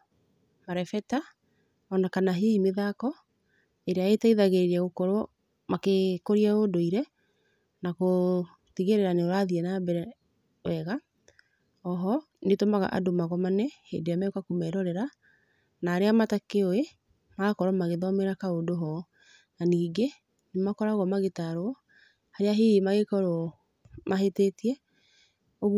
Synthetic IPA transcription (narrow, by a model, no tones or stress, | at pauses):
maɾɛfɛta | ɔnakanaɦehemeðakɔ | eɾeaetaiðaɣeɾeɾaɣokɔɾɔ | makekoɾiaodoiɾɛ | nako | tiɣeɾeɾaneoɾaðiɛnabɛɾɛ | wɛɣa | ɔɦɔ | netomaɣa̰ʔa̰domaɣɔmanɛhḛndejamakakomɛɾɔɾɛɾa | naːɾeamatakeoe | makɔɾɔmaɣeðɔmeɾakaodoɦɔ | naniːɡe | nemakɔɾaɣɔmaɣetaɾɔ | haɾeaɦiimaɣekɔɾɔ | maɦetetiɛ | oɣ